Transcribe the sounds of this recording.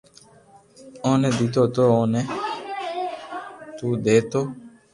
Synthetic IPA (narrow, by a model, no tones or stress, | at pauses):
õːnɛ̃ːd̪ɪt̪oːt̪oːõːnɛː | t̪uːd̪eːt̪oː